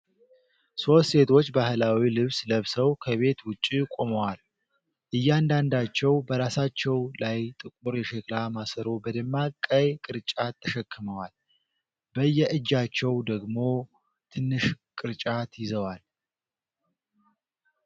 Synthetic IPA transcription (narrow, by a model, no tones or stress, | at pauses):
so̞t̪se̞t̪ʰo̞t͡ʃːbahlawilɨβsləβsəwkʰəβe̞t̪wʊt͡ʃʼːikʼo̞məwal | ʔɨjːand̪and̪at͡ʃːɛwbəɾasat͡ʃːɛwlajt̪ʼɨkʼuɾjɛʃɛklamasəɾo̞bəd̪əmːakʼːəjkʼɨɾt͡ʃʼat̪ʰːəʃɛkːɨməwal | bəjːɛʔɨd͡ʒːat͡ʃːɛwd̪əɡmo̞ | t̪ʰɨnːɨʃ | kʼɨɾt͡ʃʼat̪jɪzəwal